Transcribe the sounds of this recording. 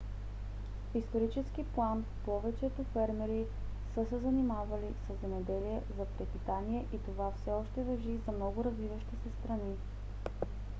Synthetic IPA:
fist̪oɾit͡ʃɛsk̟iplˠan | pɔvɛt͡ʃɛt̪ofɛɾmɛɾi | sɤsɛzɐnimavɐlisəzːɛmɛd̪ɛliɛzɐpɾɛpit̪aniɛʔit̪ovafsɛɔʃt̪ɛvɐʒizɐmnɔɡʊɾɐzvivəʃt̪isɛst̪ɾɐni

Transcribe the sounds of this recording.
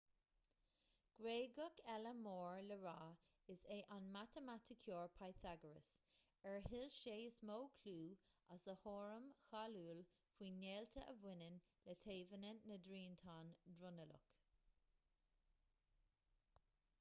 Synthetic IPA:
ɡ̥ɾeːɡʊkʰɛləmoːɹləɹaː | ɪseːʔanmat̪əmatʰɪkʰjoːɹpʰajθaɡəɹə̰s | ɛɹɦɪlʃeːɪsmoːkʰluːasəhoːɹəmxaːluːl | kwiːnːeːltʰəʔəvwɪnənlət̪ʰeːvənənːədɾiːntʰaːndɾʊnəlʊ̰k

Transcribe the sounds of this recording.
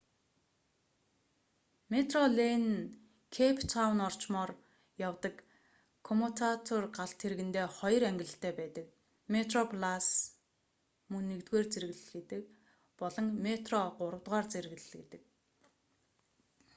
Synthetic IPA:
met̪rɔɮen | kʰepʰt̪ʰawnɔr̥t͡ɕmɔːr | jawt̪ə̆k | kʰːɔmot̪ʰat̪ʰɔrɢaɬt̪ʰːeɾɣɘ̆nt̪eːχɔj̆ræŋɡʲɪ̆ɮə̆ɬt̪ʰæːpæːt̪ə̆k | met̪rɔpʰlas | mɵnːekt̪ɡeːrt͡seɾɣɘɮet̪ɘ̆k̚ | pɔɮɞ̆ŋmet̪rɔɢʊɾə̆wt̪ʁaːrt͡seɾɣɮet̪ɘ̆k̚

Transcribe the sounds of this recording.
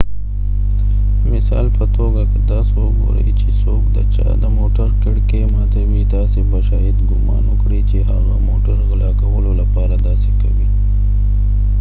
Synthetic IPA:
misa̰ːlpʰɐt̪ʰoːɡɐked̪asoːɡo̰ɾɐ̰it͡ʃʰisoːkd̪ɐt͡ʃa̰d̪ɐmoːʈɐɾkɐɽkemaːt̪ewiːd̪aːsibɐʃaːid̪ɡuma̰ːnokɽit͡ʃiɦaːɣamoːʈɐɾɣɐlaːkɐwɐlolɐpaːɾɐd̪aːsikɐbi

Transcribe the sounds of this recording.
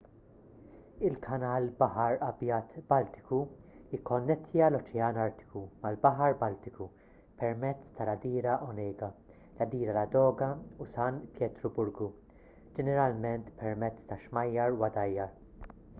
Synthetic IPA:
ɪlkʰɐnɐːlbɐħɐɾɐbjɐːt̪bɐlt̪ɪ̥kuɪkʰːɔnːɛt̪ʰːjɐlɔt͡ʃɛɐnɐɾt̪ɪ̥kumɐlbɐħɐɾbɐlt̪ɪku | pɛɾmɛt͡sːt̪ɐlɐd̪iːɾɐʔɔnɛːɡɐ | lɐd̪iːɾɐlɐd̪ɔːɡɐusɐnpjɛt̪ɾɔbʊɾɡu | d͡ʒɛnɛɾɐlmɛnt̪pɛɾmɛt͡sːt̪ɐʃmɐjːɐɾwɐd̪ɐjːɐɾ

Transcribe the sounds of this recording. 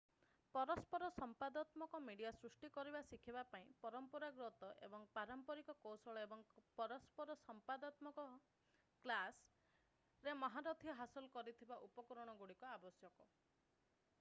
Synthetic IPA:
pɔɾɔspɔɾɔsɔmpad̪at̪mɔkɔmiɽijasɾusʈikɔɾibasikʰibapaĩpɔɾɔmpɔɾaɡɾot̪ɔʔḛbɔŋpaɾɔmpɔɾikɔkowsɔɭɔebɔŋpɔɾɔspɔɾɔsɔmpad̪at̪mɔkɔ | klas | ɾemɔɦaɾɔt̪ʰiɔɦasɔlɔkɔɾit̪ʰibaʔupɔkɔɾɔɽ̃ɔɡuɽikɔabɔsjɔkɔ

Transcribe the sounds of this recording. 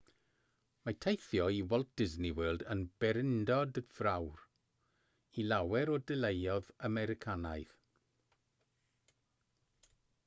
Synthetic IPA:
matʰejθjɔiwɔlˠt̚d̥ɪzniwəːlˠdənb̥ɛɾɪndɔdv̥rawr | ilˠawɛɾɔdɪlˠejɔðamɛɾɪkʰanajð̥

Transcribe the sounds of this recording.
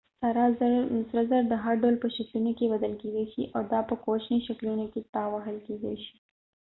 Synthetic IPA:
saɾɑsɾazaɾd̪əɦaɾɖawlpəʃaklunokebad̪əlked̪aʃiʔawd̪ɑpəkot͡ʃniʃaklunoket̪ɑwaɦəlked̪a̰ʃi̥

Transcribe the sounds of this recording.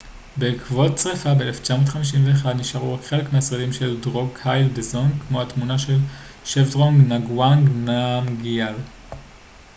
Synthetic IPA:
bekvot̚t͡sʁefabeeleft͡ʃamoːtχamiʃ̬imveːχad̪niʃaʁuaχe̞le̞kmeasʁelimʃe̞ldʁo̞ɡhajlbezo̞nkmo̞hatmunaʃe̞l | ʃefdʁoŋɡnaɡwaŋɡnamɡial

